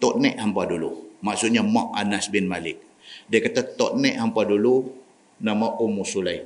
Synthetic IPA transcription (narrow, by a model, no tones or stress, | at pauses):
t̪ɔt̪̚nɛʔhampadulṵmaʔsuʔɲamaʔanasbɪnmalɪk̚ | diakat̪at̪ɔt̪̚nɛʔhampadulu | namaʔumusulaj